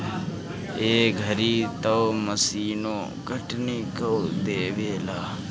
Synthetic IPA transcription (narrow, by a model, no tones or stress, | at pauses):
eːɡʱəɾiːt̪əməsiːnõː | ɡʱəʈniːkəod̪eːʋeːlaː